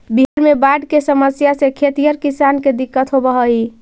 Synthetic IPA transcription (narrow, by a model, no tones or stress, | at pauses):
biɦəɾmebaɖkesəməsjasẽkʰet̪ijəɾkisanked̪ikːət̪ɦobəɦəi